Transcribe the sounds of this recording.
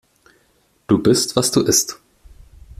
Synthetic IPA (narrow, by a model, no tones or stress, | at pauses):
d̥uːbɪstv̥asd̥uːʔɪst